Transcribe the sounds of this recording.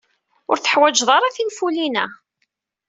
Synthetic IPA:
ʊɾθə̥ħwæd͡ʒðˤɑɾˤaθinfulinæ

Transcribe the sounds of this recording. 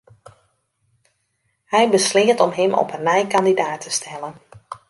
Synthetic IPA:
hɛjbəslɪːətɔmɦɪmɔ̰pənːɛjkandidaːtʰəstʰɛlən

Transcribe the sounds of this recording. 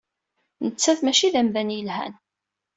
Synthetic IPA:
nət͡sːæθmæʃiðæmðænjəlhæ̰n

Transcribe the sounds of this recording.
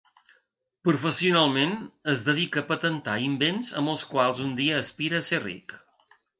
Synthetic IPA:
pɾufəsiunalˠmenəzðəðikəːpət̪ənt̪aimbenzə̰mbəlˠskwalˠzund̪iəːspiɾəːserḭk

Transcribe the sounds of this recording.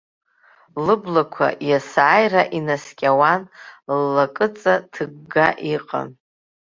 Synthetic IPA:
lɨblakʷʰa̰jasaːjraʔinaskʲʼawanlːakʼɨt͡sʼatʰɨɡɡaʔiqʼa̰n

